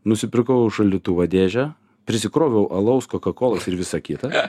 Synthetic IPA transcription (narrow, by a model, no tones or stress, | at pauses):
nʊsʲɪpʲɪɾkɐʊʒɐlʲʊt̪uːʋɐd̪ʲeːʒʲɛ | pʲɾʲɪsʲɪkɾoːʋʲɛʊʔɐlˠɐʊskoːkɐkoːlˠɐsɪɾʋʲɪsɐkʲɪt̪ɐ